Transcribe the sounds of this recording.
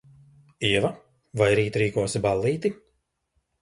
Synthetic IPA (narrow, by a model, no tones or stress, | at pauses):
iɛva | vajɾiːt̪ɾiːkuɔsibalːiːt̪i